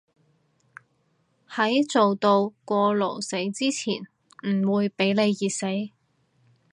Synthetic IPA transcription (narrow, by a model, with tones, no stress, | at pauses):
hɐ˨˥jt͡so˨wt̪o˧wkʷɔː˧lo˨˩wse˨˥jt͡siː˥t͡sʰḭː˨˩n | m̩˨˩wuː˨˧jpe˨˥jle˨˧jːiː˨t̚se˨˥j